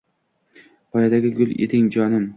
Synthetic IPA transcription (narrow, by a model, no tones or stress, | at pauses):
pʰɒjad̪aɡʲɪɡʲʊlˠʔḛt̪ɪŋd͡ʒɒnɪm